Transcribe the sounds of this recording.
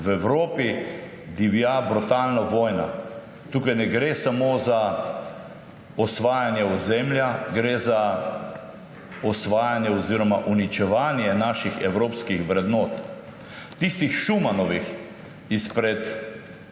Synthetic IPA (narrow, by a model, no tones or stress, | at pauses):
ʋɛwɾoːpi | d̪iʋijabɾut̪aːlnaʋɔːjna̰ | t̪uːkajnɛɡɾeːsamoːza | ɔsʋaːjanjɛɔzɛmljaɡɾeza | ɔsʋaːjanjɛɔziːɾɔmaʔunit͡ʃɛʋaːnjɛnaːʃixɛwɾoːpskixʋɾɛd̪noːt̪ | t̪ist̪ixʃumanɔʋix | ispɾɛt̪